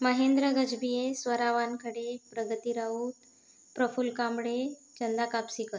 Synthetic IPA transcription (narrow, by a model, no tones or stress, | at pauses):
məɦend̪ɾəɡəd͡ʑbijesʋəɾaʋankəɽepɾəɡət̪iɾaut̪ | pɾəfulkambɽet͡ɕənd̪akapsikət̪